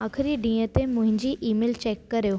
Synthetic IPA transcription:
aːxʰɪɾiɖĩːət̪emʊ̃ɦɪ̃ɲd͡ʑiːʔiːmeːlt͡ɕeːkːɐɾijo

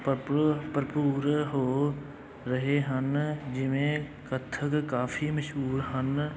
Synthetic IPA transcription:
pppɾəpuːɾɦoː | ɾəɦeɦənd͡ʒɪmẽkət̪ʰːəkkaːfʰiməʃɦuːɾɦən

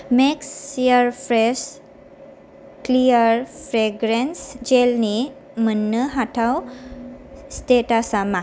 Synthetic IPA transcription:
meksiəɾfɾes | kliəɾfɾeɡɾensd͡ʑelni | mənːəɦaʈʰaw | sʈeʈasama

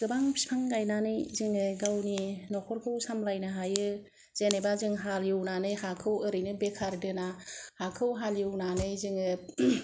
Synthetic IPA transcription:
ɡɯbaŋpʰi̥spʰaŋɡajnanɯjzɯŋɯɡawninɔkʰɔɾkʰɯwsamlajnɯɦajɯ | z̥enebazɯŋɦaljɯwnanɯjhakʰɯwɯɾɯjnɯbekʰaɾdɯnahakʰɯwɦaljiwnanɯjzɯŋɯ

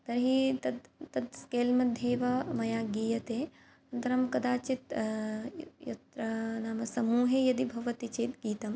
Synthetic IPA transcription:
t̪ɐɾɦit̪ɐd̪t̪ɐd̪skeːlmɐd̪ʱjeːʋɐmɐjaːɡiːjɐt̪eː | ɐnt̪ɐɾɐmkɐd̪aːt͡ʃit̪ | jɐ̰t̪ɾɐnaːmɐsɐmuːɦejɐd̪ibʱɐʋɐt̪it͡ʃeːt̪ɡiːt̪ɐm

